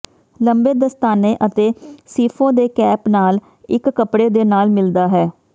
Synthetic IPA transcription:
ləmbeːd̪əst̪aːneːʔət̪eːsiːpʰõːd̪eːkɛːpnaːl | ɪkːəpɽeːd̪eːnaːlmɪld̪aːɦɛː

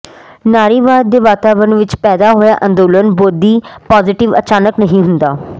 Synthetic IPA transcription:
naːɾiːʋaːd̪̚ːeːʋaːt̪aːʋɾənʋɪt͡ʃpɛːd̪aːɦoːjaːʔə̃nd̪oːlənboːd̪iːpaːzɪʈɪʋə̰t͡ʃaːnəknəɦĩːɦʊnd̪aː

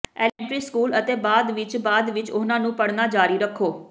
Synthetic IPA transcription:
ɛːlɛ̃ɳʈɾiːskuːlət̪eːbaːd̪ʋɪt͡ʃbaːd̪ʋɪt͡ʃʊnãːnũːpəɽnaːd͡ʒaːɾiːɾəkʰːoː

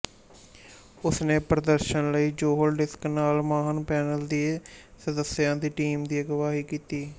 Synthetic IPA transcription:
ʊsnẽːpɾəd̪əɾʃənləiːd͡ʒoːɦəlɖɪsknaːlmaːɦənpɛːnəld̪iːsəd̪əsːɪjãːd̪iːʈiːmd̪iːəɡəʋaːɦiːkiːt̪iː

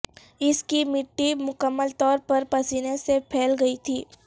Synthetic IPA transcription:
ɪskimɪʈːimʊkəmːəlt̪ɔːɾpɐɾpɐsiːnẽsepʰɛːlɡɐit̪ʰiː

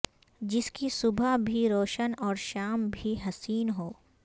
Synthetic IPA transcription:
d͡ʒɪskisʊbʱəɦbʱiɾoːʃənɔːɾʃaːmbʱiɦɐsiːnɦoː

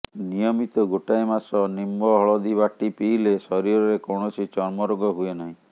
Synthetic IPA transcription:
nijɔmit̪ɔɡoʈajmasɔnimbɔɦɔɭɔd̪iβaʈipiːlesɔɾiɾɔɾekoɳɔt͡ʃʰit͡ʃɔɾmɔɾɔɡɔɦuenaɦĩ

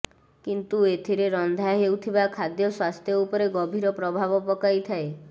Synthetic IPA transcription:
kint̪uet̪ʰiɾeɾɔnd̪ʱaɦewt̪ʰibakʰad̪jɔswast̪ʰjɔupɔɾeɡɔbʱiɾɔpɾɔbʱabɔpɔkajt̪ʰae

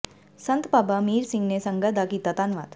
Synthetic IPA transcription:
sənt̪baːbamiːɾsɪŋɡnesɐ̃ŋɡəd̪akit̪ɐt̪aːnʋa̰ːt̪

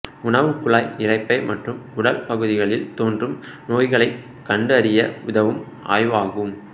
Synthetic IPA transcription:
ʊɳɐʋɯkʊɭaːjɪrɐɪpːɐɪmɐʈrɯmkʊɽɐlpɐɣɯðɪɣɐɭɪlt̪oːndrɯm | noːjɣɐɭɐɪ | kːɐɳɖɯɐɾɪjɐʊðɐʋɯm | ʔa̰ːjʋaːɣɯm

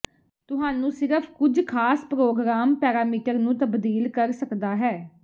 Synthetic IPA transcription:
t̪ʊɦaːnũːsɪɾəpʰkʊd͡ʒkʰaːspɾoːɡɾaːmpɛːɾaːmɪʈəɾnũːt̪əbd̪iːlkəɾsəkd̪aːɦɛː

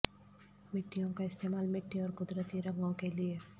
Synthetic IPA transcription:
mɪʈːijõkaɪst̪eːmaːlmɪʈːiɔːɾqʊd̪ɾət̪iɾɐ̃ŋɡõkelie

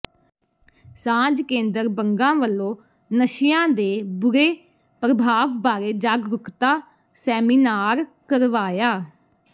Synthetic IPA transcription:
sãːd͡ʒkẽːnd̪əɾbəŋɡãːʋəlːõː | nəʃɪjãːd̪eːbʊɾeː | pɾəbʱaːʋbaːɾeːd͡ʒaːɡɾʊkt̪aː | sɛːmiːnaːɾkəɾʋaːjaː

